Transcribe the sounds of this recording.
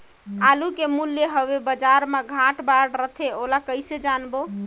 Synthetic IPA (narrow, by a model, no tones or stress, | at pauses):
alukemuljeɦəβebəd͡ʒaɾmeɡʱãʈbaɽɾət̪ʰeolakəjsed͡ʒanbo